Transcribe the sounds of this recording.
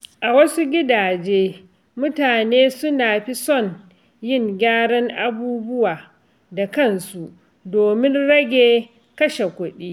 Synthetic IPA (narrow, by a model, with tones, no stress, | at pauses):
ʔa˨wɐ˦su˦ɡʲɪ˦daː˨d͡ʒeː˦ | mʊ˦taː˨neː˦sʊ˦naː˨ɸi˦sɔ˦˨n | jɪ˦˨ŋɡʲaː˦ɽɔ˦ŋʔa˨buː˦bʊ˦waː˨ | da˨kɐ˦nsu˨ʔ | doː˨mɪ˦nɽɐ˦ɡʲeː˨ | kɐ˦ʃe˨kʷʊ˦ɗiː˦